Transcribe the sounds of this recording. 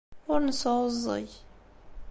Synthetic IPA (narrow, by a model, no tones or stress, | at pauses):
ʊɾnəsəzˤːə̰j